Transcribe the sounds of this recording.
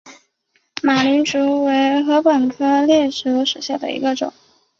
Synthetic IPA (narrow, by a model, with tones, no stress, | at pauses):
ma˨˩ly˧˥nʈ͡ʂu˧˥we˧˥ɪxɤ˧˥pə˨˩nkʰɤ˥ljɛ˥˩ʈ͡ʂʰu˧˥ʊʂu˨˩ɕja˥˩d̪ə̰˩ḭ˧˥ɡə˧ʈ͡ʂʊ̰˨˩˦ŋ